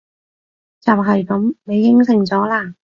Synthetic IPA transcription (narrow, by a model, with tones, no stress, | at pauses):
t͡saː˨˩p̚ɦɐ˨jkɐ˨˥mne˨˧jːɪ˥ŋsɪ˨˩ŋt͡sɔː˨˥laː˧˥˩